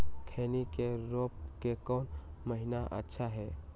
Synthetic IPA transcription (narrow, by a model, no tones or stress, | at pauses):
kʰeːnikeɾoːp̚kekɔːnməɦɪnaʔə̰tːʃʰaɦɛː